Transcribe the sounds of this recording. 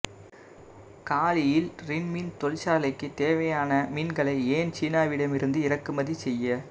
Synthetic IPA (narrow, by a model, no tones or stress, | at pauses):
kaːlɪjɪlɾɪnmint̪ɔlt͡ʃaːlɐɪkːɯt̪eːʋɐjaːnɐmiːnɡɐɭɐɪeːnt͡ʃiːnaːʋɪɽɐmɪɾɯnd̪ɯɪɾɐkːɯmɐðisɛjːɐ